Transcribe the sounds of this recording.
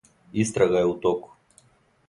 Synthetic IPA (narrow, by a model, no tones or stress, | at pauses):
ist̪ɾaɡaɛut̪ɔku̥